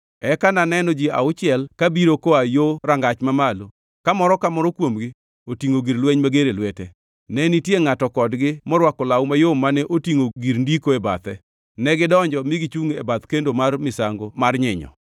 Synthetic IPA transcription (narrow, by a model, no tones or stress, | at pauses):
ɛkananɛnɔd͡ʒia̰ʊt͡ʃɪɛlkabiɾokoajoɾaŋɡat͡ʃmamalo | kamɔɾɔkamɔɾɔkwomɡɪ | otiŋoɡiɾlwɛɲmaɡeɾelwɛtɛ | nɛnitjeŋatɔkɔdɡɪmɔɾwakɔlawmajomanɛʔotiŋoɡiɾndikoeba̰t̪ɛ | nɛɡɪdɔɲd͡ʒɔmiɡɪt͡ʃuŋebat̪kendomarmɪsaŋɡomarɲɪɲɔ̰